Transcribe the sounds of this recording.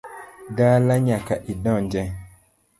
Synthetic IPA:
daːlaɲakaʔidɔ̃nd͡ʒɛ̃

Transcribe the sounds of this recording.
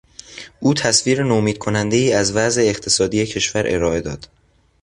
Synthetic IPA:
ʔuːt̪ʰæsviːɾenomiːd̪̥̚kʰo̞nænd̪e̞iːæzvæze̞ːxt̪ʰe̞sɒːd̪iːje̞cʰe̞ʃvæɾʔe̞̰ɾɒːe̞d̪ɒ̰ːd̪̥

